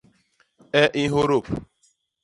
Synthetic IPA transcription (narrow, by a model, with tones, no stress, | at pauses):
ɛ˦ʔɪ˦ɦo˦ɾo˦˨p